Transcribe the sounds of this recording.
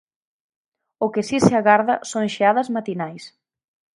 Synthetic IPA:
ʊkɪsisɪaɣaɾðɐsoŋʃeaðɐzmat̪inajs

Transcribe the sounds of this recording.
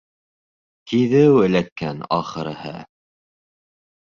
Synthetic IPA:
kiðɘwɘ̆lækːænɑχɤ̆ɾ̆hɤ̰

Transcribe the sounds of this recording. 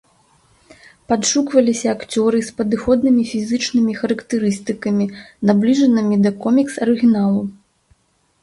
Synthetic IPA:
pad̪ʂukvɐlʲisʲɐːkt͡sʲɔɾɨspɐd̪ɨxɔd̪̚nɨmʲifʲizɨt͡ʂnɨmʲixɐɾɐkt̪ɨɾɨst̪ɨkɐmʲinablʲiʐɐnɨmʲid̪ɐkɔmʲiksɐɾɨɣʲinalˠu

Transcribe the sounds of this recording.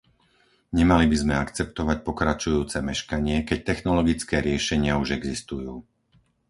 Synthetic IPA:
ɲɛmalibizmɛakt͡sɛpt̪ɔʋac̚pɔkɾat͡ʃujuːt͡sɛmɛʃkaɲɪɛkɛc̚t̪ɛxnɔlɔɡit͡skɛːɾɪɛʃɛɲɪauʒɛɡzist̪ujuː

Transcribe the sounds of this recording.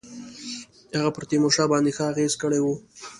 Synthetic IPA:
haɣapəɾt̪emoʂɑbɑnd̪exəaɣezkəɽewu

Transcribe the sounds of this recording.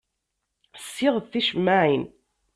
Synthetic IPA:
sːɪʁðθiʃmːaʕin

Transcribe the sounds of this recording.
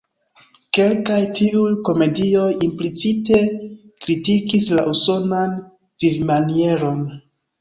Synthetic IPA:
ke̞lkajtiujko̞me̞dio̞jimplit͡site̞kɾitikisla̰ʔuso̞nan | v̥ivmanie̞ɾo̞n

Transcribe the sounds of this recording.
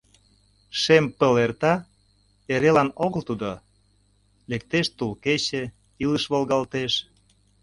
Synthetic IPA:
ʃempəlert̪ɑ | eɾelɑnoɣəlt̪ud̪o | lek̚t̪eʃt̪ulket͡ɕĕ | iləʃβolɣɑlt̪eʃ

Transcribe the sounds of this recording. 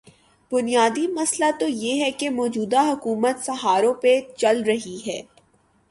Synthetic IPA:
b̥ʊnijaːd̪imɐslat̪ojeɦɛkemɔːd͡ʒuːd̪aɦʊkuːmət̪sɐɦaːɾõpet͡ʃɐlɾɐɦiɦɛː

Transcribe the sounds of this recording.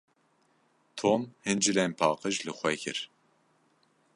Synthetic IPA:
t̪ʰonhɨnd͡ʒilɛnpʰɑːqɨʒlɨxʷɛkʰɨ̰ɾ

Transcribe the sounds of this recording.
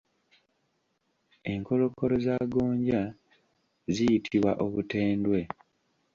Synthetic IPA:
e̞ŋko̞lo̞ko̞ɾo̞zaːɡoːɲɟa | zijitʰiβwaʔoβuteːndwe̞

